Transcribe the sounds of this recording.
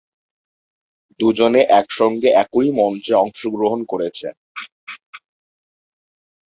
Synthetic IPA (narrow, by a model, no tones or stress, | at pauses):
d̪ud͡ʑoneʔɛkʃɔŋɡeʔɛkojmɔnt͡ɕeɔŋʃoɡɾoɦonkoɾet͡ɕʰḛ